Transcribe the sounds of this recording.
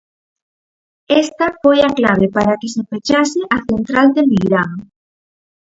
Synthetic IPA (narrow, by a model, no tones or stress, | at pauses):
est̪ɐfojaklaβ̞epaɾakesefet͡ʃaseʔaθent̪ɾald̪emiɣɾaŋ